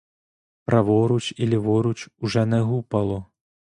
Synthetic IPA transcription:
pɾʔɐʋɔɾut͡ʃilʲivɔɾut͡ʃuʐɛnɛɣupɐlˠɔ

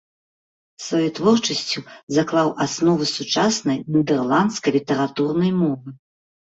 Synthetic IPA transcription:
svajɛt̪vɔrt͡ʂɐsʲt͡sʲuzaklˠawʔasnɔvɨsut͡ʂasnɐjnʲid̪ɛrlˠant̪skɐjlʲit̪ɛɾat̪urnɐjmɔvɨ

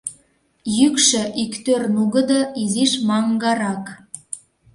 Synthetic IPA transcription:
jykʃø̆ʔikt̪ørnuɣə̆d̪ɤiziʃmɑŋɡɑɾɑk

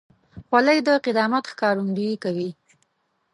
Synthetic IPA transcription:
xwaləjd̪əqɪd̪ɑmat̪xkɑɾund̪ujikawi

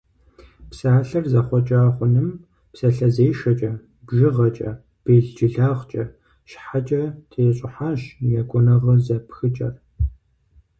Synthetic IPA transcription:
psaːɬɐrzɐχʷɔt͡ʃʼaːʁʷʊnɨm | psɐɬɐzeːʃɐt͡ʃʼɐ | bʒɪʁɐt͡ʃʼɐ | b̥eːɮd͡ʒɪɮaːʁt͡ʃʼɐ | ʃħat͡ʃʼɐtʰeːɕʼɪħaːɕjɛkʷʼʊnɐʁɐzɐpxɨt͡ʃʼɐ̰r

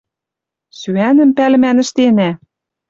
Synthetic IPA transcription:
syænə̆mpælɘ̆mænɘ̆ʃt̪enæ

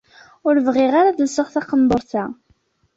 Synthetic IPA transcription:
ʊɾvʁɪʁaɾaðəlsəʁθɑqəmb̪əɾˤθæ

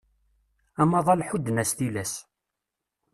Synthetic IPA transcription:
æmɑðˤɑlħud̪ːənæst̪ilæs

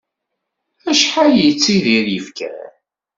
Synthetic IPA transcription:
æʃħajit͡sːiðiɾjəfkæ̰

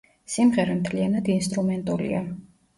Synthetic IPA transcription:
simʁɛɾɛmt̪ʰlianad̪inst̪ʼɾumɛnt̪ʼulḭa

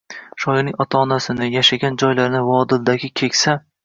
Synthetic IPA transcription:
ʃɒjɪnɪŋɒt̪ʰaːnasɪnɪjaʃaɡʲand͡ʒɒjlaɾnɪvɒd̪ɪld̪aɡʲɪkʲʰe̞kʲsa

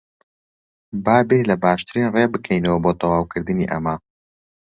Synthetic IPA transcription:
baːbelɐbaːʃt̪ɨɾiːnrebɨkʰɛjnɐwɐboːt̪ʰɐwaːwkʰɨɾd̪ɨniːʔɐ̰mɐ

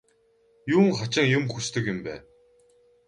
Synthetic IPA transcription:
juːŋχat͡ɕɪ̆ŋjʊmxust̪ɘ̆kɪ̆mpæː

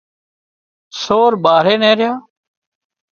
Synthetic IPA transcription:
soːɾɓaːɾeːnẽːɾɪjaː

